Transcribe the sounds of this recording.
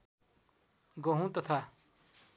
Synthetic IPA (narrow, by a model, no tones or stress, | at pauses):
ɡoɦũt̪ʌt̪ʰa